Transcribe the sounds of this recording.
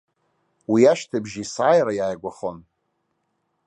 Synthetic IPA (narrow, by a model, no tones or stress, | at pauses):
wiaʃtʰabʒisaːjɾajaːjɡʷaχon